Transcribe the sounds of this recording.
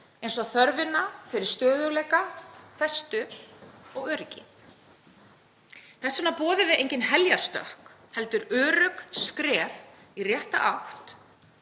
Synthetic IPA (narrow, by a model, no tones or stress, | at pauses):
ejnsɔθœɾvɪnːafɪɾɪɾ̥st̪œːðʏɣlɛːjkafɾɛst̪ʏ | ɔɣœːɾɪcɪ̰ | θɛsːanapɔːðʏvɪðejɲcɪnɦɛljaɾ̥st̪œ̰hk | hɛlt̪ʏɾœːɾœkskɾɛːf | irjɛht̪a̰ʔawht̪